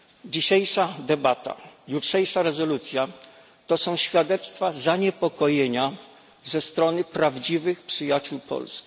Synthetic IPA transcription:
d͡ʑiɕejʂad̪ɛbat̪a̰jutʂɛjʂaɾɛzɔlut̪sʲja | t̪ɔsɔ̃w̃ɕfʲjad̪ɛt̪st̪fazaɲɛpɔkɔjeɲa | zɛst̪ɾɔnɘpɾavd͡ʑivɘxpʂɘjat͡ɕuwpʰɔ̰lskʲi̥

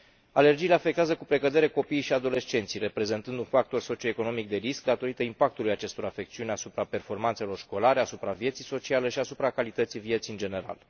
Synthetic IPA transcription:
ale̞rd͡ʒijːle̞afe̞k̚t̪eazəkupɾe̞kəd̪e̞ɾe̞ko̞piːjʃiad̪o̞le̞st͡ʃe̞nt̪sijre̞pɾe̞ze̞nt̪ɨnd̪unfak̚t̪o̞rso̞t͡ʃio̞eko̞no̞mik̚d̪e̞ɾisk̚d̪at̪o̞ɾit̪əimpak̚t̪ulujat͡ʃe̞st̪o̞ɾafe̞k̚t̪siunasupɾape̞rfo̞rmant̪se̞lo̞rʃko̞laɾe̞asupɾavje̞t̪sijso̞t͡ʃialeʃiasupɾakalit̪ət̪sijvijet̪siɨnd͡ʒe̞ne̞ɾa̰l

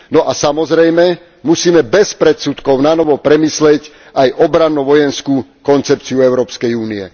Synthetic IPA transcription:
nɔʔasamɔzɾɛjmɛ | musiːmɛbɛspɾɛt̪sut̪kɔʊnanɔʋɔpɾɛmiːslɛc | ajʔɔbɾanːuʋɔjɛnskukɔnt͡sɛp̚t͡siuɛʊɾɔːpskɛjuːniɛ̰

